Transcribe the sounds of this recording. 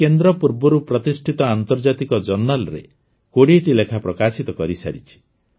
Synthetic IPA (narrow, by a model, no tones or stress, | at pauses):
kend̪ɾɔpuɾbɔɾupɾɔt̪isʈʰit̪ɔant̪ɔɾd͡ʒat̪ikɔd͡ʒɔnːalɾḛ | koɽieʈilekʰapɾɔkasit̪ɔkɔɾisa̰ɾit͡ʃʰi̥